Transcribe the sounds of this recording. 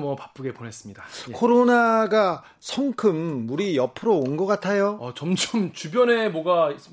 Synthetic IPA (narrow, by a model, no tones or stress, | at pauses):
mwʌpap͈ɯɡe̞pone̞s͈ɯmɲidakʰoɾonaɡa | sʰʌŋkʰɯmːuɾijʌpʰɯɾoonɡʌk͈atʰajoʌt͡ɕʌmt͡ɕʰʌmt͡ɕubjʌne̞mwʌɡa